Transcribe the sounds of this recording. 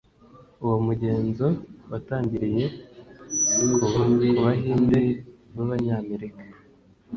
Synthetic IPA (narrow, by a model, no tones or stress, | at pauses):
uwomuɟe̞ːnzo̞wataːɲɟiɾije̞ | ukoβakuβaɦiːndeβaβaɲaːme̞ɾikḁ